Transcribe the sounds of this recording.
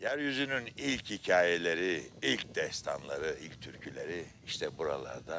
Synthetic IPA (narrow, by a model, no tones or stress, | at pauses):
jæɾjyzynynilʲchicʰaːjelʲeɾiilʲcd̪ɛst̪ʰanlˠaɾɯilʲc̚t̪ʰyɾcʰylʲeɾiiʃt̪ʰɛbuɾa̰lˠa̰ɾd̪a